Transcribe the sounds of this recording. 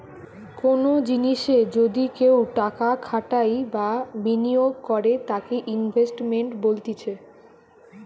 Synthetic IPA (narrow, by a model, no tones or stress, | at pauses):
konod͡ʑiniʃed͡ʑod̪ikewʈakakʰaʈajbabinioɡkɔɾet̪akeʔinbʱesʈmeɳʈbolt̪it͡ɕʰe